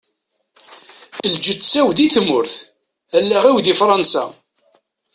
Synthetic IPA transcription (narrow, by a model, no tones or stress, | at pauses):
θəld͡ʒət̪ːsæwðiθmʊɾθ | ælːæʁæwðifɾˤɑnsa̰